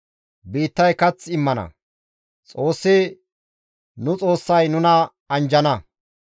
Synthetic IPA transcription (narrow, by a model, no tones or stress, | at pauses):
biːt̪ːɐjkɐt͡sɪmːɐnɐ̰ | t͡sʼo̞ːsːɪ | nʊt͡sʼo̞ːsːɐjnʊnɐ | ɐnd͡ʒɐnɐ